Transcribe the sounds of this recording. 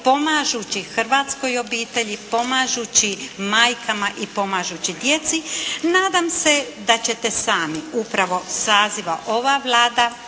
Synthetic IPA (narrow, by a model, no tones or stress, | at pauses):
po̞maʒut͡ɕixr̩ʋaːt̪sko̞jo̞biːt̪e̞ʎipo̞maːʒut͡ɕimaːjkʰamaʔipo̞maːʒut͡ɕid̪je̞t̪sinaːd̪amse̞d̪at͡ɕe̞t̪e̞saːmiupɾaʋo̞saːziʋaʔo̞ʋaʋlˠaːd̪a